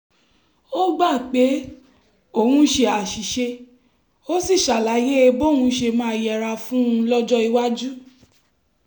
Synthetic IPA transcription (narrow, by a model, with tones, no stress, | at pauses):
o˦ɡ͡ba˦˨k͡pe˨˦ | o˦˨hũ˧˦ʃe˧a˨ʃi˨ʃe˧ | o˦si˦˨ʃa˨la˨˦je˦e˧bo˦˨hũ˧ʃe˧mãː˦˧jɛ˨ɾa˧fũ˦ũ˧˦lɔ˦d͡ʒɔ˦i˧wa˦d͡ʒu˦